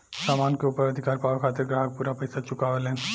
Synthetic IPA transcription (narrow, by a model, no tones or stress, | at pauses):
saːmaːnkeuːpəɾəd̪ʱɪkaːɾpaːʋakʰaːt̪ɪɾɡɾaːɦək̚puːɾapɐjsat͡ʃʊkaːʋelẽːn